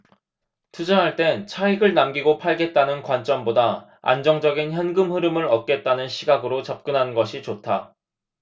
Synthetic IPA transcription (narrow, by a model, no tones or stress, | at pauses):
tʰud͡ʑʌɦaɭt͈e̞nt͡ɕʰaiɡɯɭnamɡiɡopʰaɭɡe̞t̚t͈anɯnkwant͡ɕ͈ʌmbodaa̰nd͡ʑʌŋd͡ʑʌɡinçjʌnɡɯmɦɯɾɯmɯɾʌt̚k͈e̞t̚t͈anɯnɕʰiɡaɡɯɾot͡ɕap̚k͈ɯnɦannɡʌɕʰit͡ɕotʰa